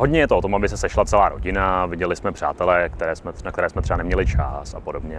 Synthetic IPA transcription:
ɦodɲɛjɛt̪oot̪o̞mabɪsɛsɛʃlatt͡sɛlaːɾo̞ɟɪnavɪɟɛlɪsmɛpr̝̥a̰ːt̪ɛlɛːkt̪ɛɾɛːsmɛnak̚t̪ɛɾɛːsmɛt̪r̥ɛbanɛmɲɛlɪt͡ʃa̰sapodobɲɛ

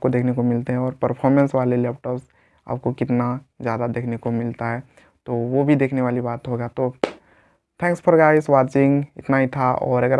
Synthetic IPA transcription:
kod̪eːkʰnekomɪlt̪eɦɛ̃ɔːɾpəɾpʰɔːɾmɛ̃nsʋaːlelɛːpʈɔːps | a̰ːp̚kokɪt̪nazjaːd̪ad̪eːkʰnekomɪlt̪aɦɛ | t̪oʋobʱid̪eːkʰneʋaːlibaːt̪ɦoɡat̪o | t̪ʰɛ̃ːŋkspʰəɾɡaɪsʋaːt͡ʃɪ̃ŋɡɪ̰t̪naɦit̪ʰaɔ̰ːɾɐɡəɾ

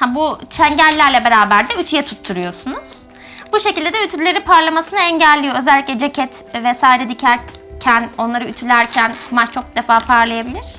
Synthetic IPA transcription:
hæbut͡ʃʰɛɲɟælʲːæɾlʲɛbe̞ɾaːbæɾd̪ɛyt̪ʰyjɛt̪ʰut̪ʰːuɾujo̞sunuz̥ | buʃe̞cilʲd̪ed̪ɛyt̪ʰyɾylʲeɾipʰaɾlˠamasɯnɯɛɲɟælʲːijo̞øzɛlʲːiclʲɛd͡ʒecʰɛt̪ | vɛsaːiɾɛd̪icʰæɾ | cʰæno̞nlˠaɾɯyt̪ʰylʲæɾcʰænmat͡ʃt͡ʃʰo̞k̚d̪efaːpʰaɾlˠajabilʲiɾ̥

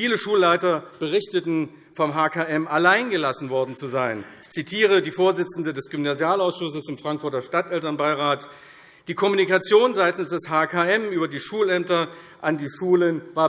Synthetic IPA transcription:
fiːləʃuːlːaɪtɐb̥əʁɪçtətn̩ | fɔmɦaːkʰaːʔɛmalaɪnɡəlasn̩vɔɐdn̩t͡suzaɪnɪçt͡sitʰiːʁ̞ədiːfoːɐzɪt͡sn̩dədɛsɡ̥ymnazjaːlaʊsʃʊsəsɪmfʁ̥aŋkfʊɐtɐʃtatʔɛltɐnbaɪʁaːt | d̥iːkʰɔmunikat͡sjoːnzaɪtn̩sd̥ɛshaːkʰaɛmʔyːbɐdiːʃuːlɛmtɐ | ʔandiːʃuːlənvaːɐ

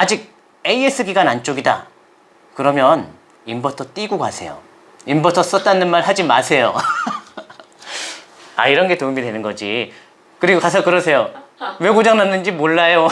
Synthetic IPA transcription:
ad͡ʑiɡ̚ | eiesʰɯɡiɡanant͡ɕ͈oɡida̰ | kɯɾʌmjʌn | imbʌtʰʌt͈iɡoɡasʰe̞̰jo̰ | imbʌtʰʌs͈ʌt̚t͈anːɯnmaɭhad͡ʑimasʰe̞jo | a̰iɾʌnɡe̞tomidwe̞nɯnɡʌd͡ʑi | kɯɾiɡokas̬ʰʌkɯɾʌsʰe̞jowekod͡ʑaŋnanːɯnd͡ʑimoɭːajo

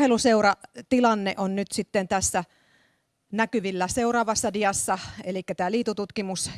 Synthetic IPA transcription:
heluseurɑt̪ilɑnːḛʔonnyt̪sit̪ːent̪æsːæ | nækyʋilːæseurɑːʋɑsːɑdiɑsːɑelikːæt̪æːliːt̪ut̪ut̪kimus

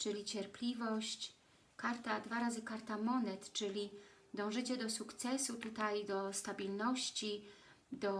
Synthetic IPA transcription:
t͡ʂɘlʲit͡ɕɛɾpʲlʲivɔɕt͡ɕ | kaɾt̪ad̪vaɾazɘkaɾt̪amɔnɛt̪t͡ʂɘlʲid̪ɔ̃w̃ʐɘt͡ɕɛd̪ɔsukt̪sɛsut̪ut̪ajd̪ɔst̪abʲilnɔɕt͡ɕi | d̪ɔ

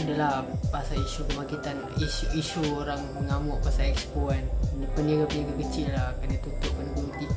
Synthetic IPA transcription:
adalapasaliʃukəmakit̪an | iuiʃuoɾaŋməŋamʊʔpasalɛkspuannapənaɡapənaɡakət͡ʃɪlːakanat̪ut̪ʊʔpənəɡumt̪i

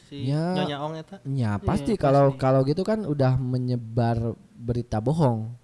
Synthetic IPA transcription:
ja | japast̪ikalawkalawɡit̪ukanudahməɲəbar | bəɾit̪aboɦɔŋ

